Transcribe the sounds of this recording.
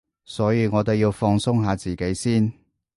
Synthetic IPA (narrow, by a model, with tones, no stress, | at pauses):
sɔː˨˥jiː˨˧ŋɔː˨˧t̪e˨jiː˧wfɔː˧ŋsʊ˥ŋɦaː˨˧t͡siː˨˩ke˨˥jsiː˥n